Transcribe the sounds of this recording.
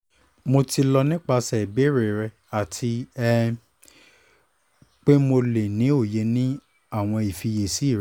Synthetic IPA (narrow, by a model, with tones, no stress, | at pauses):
mo˧ti˧lɔ˧nĩ˦k͡pa˧sɛ˨be˨˦ɾe˨ɾɛ˧ | a˨tʰi˧ɛ˦ | k͡pe˦mo˧le˨nĩ˨˦o˦˨je˨˦nĩ˦ | a˦˨w̃ɔ̃˧i˨fi˧je˨si˨˦˨ɾ